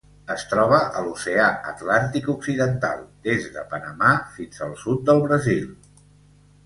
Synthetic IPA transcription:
əst̪ɾɔβ̞əʔəluseaə̰t̪lant̪ikuksiðənt̪a̰lˠd̪ezðə̰pənəmafinzəlˠsut̪̚d̪əlˠβɾəzilˠ

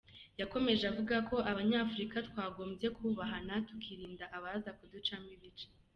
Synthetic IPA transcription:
jako̞me̞ʒeavuɡako̞ʔaβaɲaːfuɾikatkwaːɡo̞ːmze̞kʰuβaɦanatu̥kʰiɾiːndaʔaβazakudut͡ʃamiβit͡ʃe̥

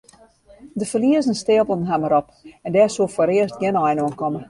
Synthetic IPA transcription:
dəfəliəzən̩steːəlˠbəl̩ˠən̩ɦaməɾɔpɛndɛːsuəfoːɾɪərstɡɪnɔjnoənkʰɔmə

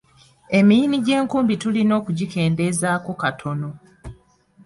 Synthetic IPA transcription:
e̞mijiniɟe̞ːŋkuːmbitulino̞ːkuɟike̞ːnde̞zaːko̞katʰo̞no̞

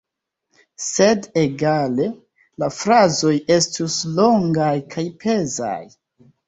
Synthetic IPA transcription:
se̞deɡale̞ | lafɾazo̞je̞stuslo̞ŋɡajkʰajpʰe̞za̰j

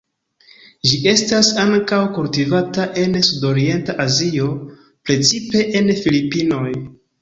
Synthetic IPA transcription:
ʒiʔe̞stasaŋkawkultivataʔe̞nsudo̞ɾie̞ntaʔazio̞ | pɾe̞t͡sipe̞ʔenfilipino̞j

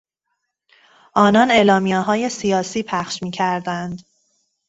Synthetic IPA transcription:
ʔɒːnɒne̞ːlɒːmijeɦɒːje̞sijɒːsiːpʰæxʃmiːcʰæɾd̪ænd̪

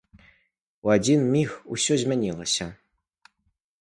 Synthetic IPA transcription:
uadʲinmʲixusʲozʲmʲɛnʲilˠɐsʲɐ

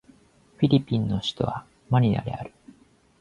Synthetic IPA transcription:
ɸʲiɾʲipʲĩnːo̞ɕi̥t̪o̞βa | maɲ̟ʲia̰d̪ḛa̰ɾɯ̟

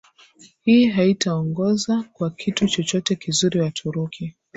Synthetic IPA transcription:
hiːɦaitaɔŋɡɔzakwakʰitut͡ʃɔt͡ʃɔtɛkizuɾiwatʰuɾukʰi

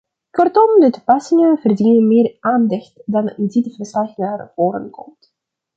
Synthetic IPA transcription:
kɔrtɔmdətupɑsɪŋənvərdinənmɪːrʔaːndɛxtdɑnɪnditəvərslaxnaːrv̥oːɾə̰nkʰɔ̰mt

